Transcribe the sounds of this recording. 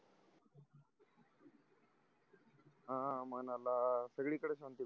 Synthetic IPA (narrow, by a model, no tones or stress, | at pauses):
ãmənalasəɡɭiːkəɽeɕant̪i